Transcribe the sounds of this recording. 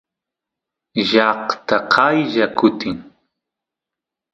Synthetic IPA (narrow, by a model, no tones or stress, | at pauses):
ʒɑqt̪aqʰɑjʒakʊt̪ɪŋ